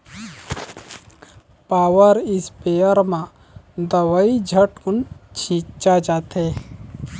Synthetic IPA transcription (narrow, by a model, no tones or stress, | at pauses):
paːwəɾɪspejəɾmã | d̪əwəid͡ʒʱəʈkunt͡ʃʰĩt͡ʃad͡ʒaːt̪e